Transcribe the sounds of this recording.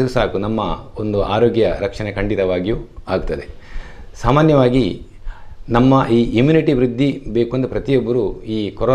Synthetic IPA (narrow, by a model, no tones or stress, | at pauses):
ɐɾusaːkunɐmːɐond̪uʔaːɾoːɡjɐɾɐkʂɐnekɐɳɖit̪ɐʋaːɡijuaːɡut̪ːɐd̪e̞ | saːmaːnjɐʋaːɡi | nɐmːɐʔiːʔimjuːniʈiʋɾid̪ʱːibe̞ːkuɐnd̪uɐpɾɐt̪ijobːɐɾuiːkoɾo